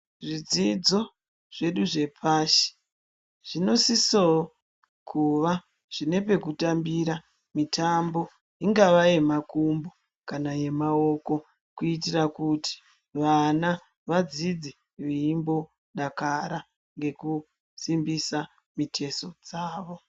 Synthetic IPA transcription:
ʐid͡zid͡zo̞ | ʐ̥e̞ɗuʐe̞pʰaʃi̥ | ʐ̥ino̞siso | kʰuʋa | ʐ̥ine̞pe̞kutambiɾa | mitʰambo̞ | iŋɡaʋaje̞makumbo | kanaje̞mao̞ko̞ | kuit̬irakutʰi̥ | ʋana | ʋad͡zid͡zi | ʋiimbo̞ | ɗakaɾa | ŋɡe̞ku | simbisa | mitʰe̞so̞d͡zaːʋo̞

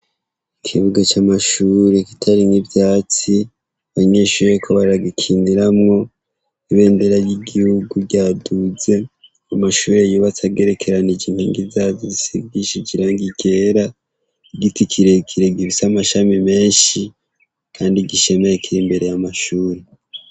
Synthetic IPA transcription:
ikʰiβuɡat͡ʃamaʃuːɾe̞ki̥tʰaɾiŋivjaːt͡si | aɲeʃuːɾekʰoβaɾaɡikʰiːndiɾamŋo̞ | iβe̞ːmbeɾaɾjiɡihuɡuɟaːduze̞ | amaʃuːɾejuβat͡saɡe̞ɾe̞kʰe̞ɾanid͡ʒiŋ̥hiːŋɡizaːvizisiɡiʃid͡ʒiɾaːŋɡiɡe̞ɾa | iɡitikʰiɾe̞kʰiɾe̞ɡiβisamaʃamime̞ːnʃi | kʰaːndiɡiʃe̞mejekiɾimbe̞ɾe̞jamaʃuːɾe̞

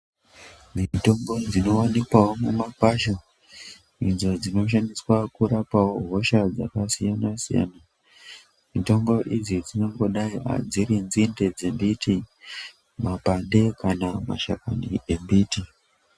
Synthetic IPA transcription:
mito̞mbo̞d͡zino̞wanikwawo̞mumakaʃo | id͡zo̞d͡zino̞ʃ̬aniswakuɾapawo̞ɦo̞ʃad͡za̰kasijanasḭja̰na | mito̞mbo̞ʔid͡zid͡zino̞ŋɡo̞ɗaia̰d͡ziɾind͡zinde̞d͡zembiti | mapanɗe̞kanama̰ʃakanḭʔembiːti

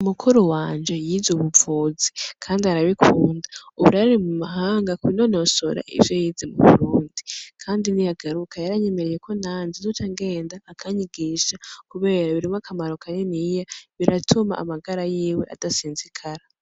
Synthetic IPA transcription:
umukʰuɾowaːnd͡ʒe̞jiːzuβuvuːzikʰaːndiaɾaβikʰuːndaauβuɾaɾiɾimumaɦaːŋɡakuinonoso̰ɾa̰ʔḭvjojizemuβṵɾuːndikʰaːndinijaɡaɾukʰajaɾaɲe̞me̞ɾeje̞kʰo̞naːnzizutaŋɡe̞ːndaːkʰaɲiɡiːʃakuβe̞ːɾaβiɾimakʰamaɾo̞kʰanenijaβiɾatʰuma̰ʔːmaɡaɾajiːwe̞̰ʔa̰d̥asiːnzikʰaɾa

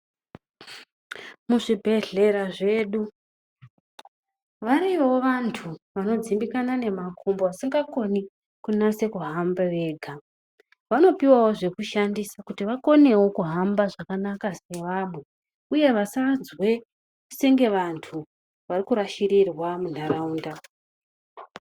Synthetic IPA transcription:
muʐibʱe̞ɮe̞ɾaʐe̞ɗu | ʋaɾiʋoʋantʰuʋano̞d͡zimbikanane̞makʰombo̞asiŋɡako̞ni | kunase̞kuɦambaʋe̞ːɡʱa | ʋano̞piwawo̞ʐe̞kuʃandisakutiʋako̞ne̞wo̞kuɦambaʐakanakase̞ʋamwe | uje̞ʋasad͡zwe̞ | useŋɡe̞ʋantʰu | ʋarikuɾaʃirirwamundaɾauːnda

